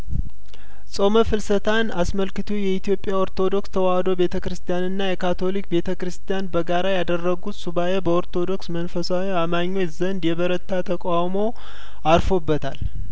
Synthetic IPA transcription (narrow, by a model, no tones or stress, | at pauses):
sʼo̞məfɨlsət̪ʰanasməlkɨt̪ʰujɛit̪ʰijo̞pʼjao̞ɾt̪ʰo̞d̪o̞kst̪ʰəwahd̪o̞be̞t̪ʰəkɾɨst̪ʰijanɨnːajɛkʰat̪ʰo̞lik̚be̞t̪ʰəkɾɨst̪ʰijanbəɡaɾajad̪ərːəɡut̪subajebəoɾt̪ʰo̞d̪o̞ksmənfəsawiamaɲːo̞t͡ʃzənd̪jɛβəɾət̪ʰːat̪ʰəkʼawmo̞ | aɾfo̞bːət̪ʰa̰l